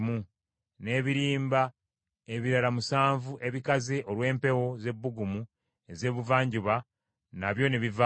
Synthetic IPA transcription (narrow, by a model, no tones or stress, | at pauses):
mu | ne̞ːβiɾiːmba | e̞βiɾalamusaːɱvuʔe̞βikaziʔo̞lwe̞ːmpe̞wo̞ze̞bːuɡumu | e̞ze̞ːβuvaːɲɟuβa | naβjo̞ne̞βiva